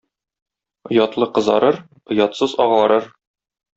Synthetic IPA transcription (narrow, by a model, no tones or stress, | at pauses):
ŏjɑt̪lˠɤqɤ̆zɑ̰ɾɤɾ | ŏjɑt̪sɤzɒʁlˠɑɾɤɾ